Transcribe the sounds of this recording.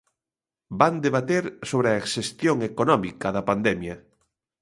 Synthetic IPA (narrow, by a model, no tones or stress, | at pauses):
band̪eβat̪eɾsoβɾeaeksest̪joŋekonɔmikɐðɐpand̪ɛmjɐ